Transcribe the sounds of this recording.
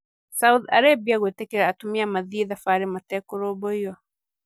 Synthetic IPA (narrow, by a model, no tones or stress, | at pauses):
sauða̰ɾabiaɣwetɛkɛɾaatumiamaðiːðafaɾimatɛkoɾoːbɔijɔ